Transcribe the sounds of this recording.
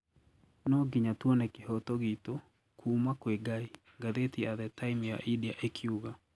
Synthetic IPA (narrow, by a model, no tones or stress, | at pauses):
nɔɡiɲatwɔnɛkehɔtɔɣito | kʰuːmakweɡai | ɡaðetiaðɛtaimja̰ʔidiaʔekʰiuɣa